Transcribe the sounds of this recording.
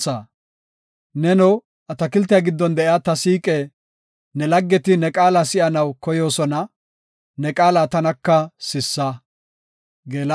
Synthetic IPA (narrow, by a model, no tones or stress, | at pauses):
sɐ | nɛnɔw | ʔɐt̪ɐkɪlt̪ːɪjɐɡɪd̪ːɔnd̪ɛʔjat̪ɐsiːkʼɛ | nɛlɐɡːɛt̪ɪnɛkʼaːlasɪʔɐnɐwkɔjo̞ːsɔnɐ | nɛkʼaːlat̪ɐnɐkːɐsɪsːɐ | ɡeːl